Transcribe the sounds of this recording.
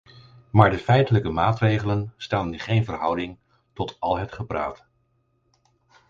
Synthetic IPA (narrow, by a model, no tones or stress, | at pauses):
maːɹdəfɛjtələkəmaːtrejχələnstaːndχejnvərɦʌwdɪŋ | tɔtɑlˠɦətχəpra̰ːt